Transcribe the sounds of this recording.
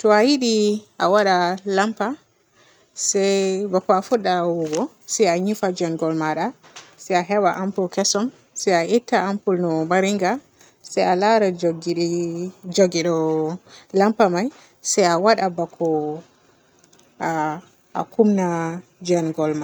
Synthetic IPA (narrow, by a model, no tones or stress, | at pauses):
tɔajiɗiʔa̰waɗalampa | sɛbakɔafuɗːawuɡɔ | sɛjaɲifad͡ʒɛnɡɔlmaɗa | sɛjaɦɛwaʔampulkɛsɔm | sɛjaʔitːaampulnɔmaɾiŋɡa | sajalaɾaɡ | d͡ʒoɡiɗɔ | lampamaj | sajawaɗabakʰɔ | a̰kumnad͡ʒɛnɡɔlma